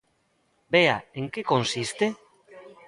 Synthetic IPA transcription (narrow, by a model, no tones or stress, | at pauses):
bea̰eŋkekonsist̪e